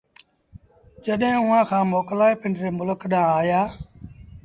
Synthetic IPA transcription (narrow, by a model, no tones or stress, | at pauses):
d͡ʒəɗɦẽːʊːãːkʰãːmoːklaːeːpɪɳɾeːmʊləkɗãːaːjaː